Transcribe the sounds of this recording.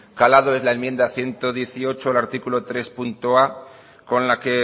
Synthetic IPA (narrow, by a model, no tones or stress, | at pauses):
kalað̞oe̞zlaemje̞nd̪aθje̞nt̪o̞ðje̞θio̞t͡ʃoalaɾt̪ikulot̪ɾe̞spunt̪oa | ko̞nlake̞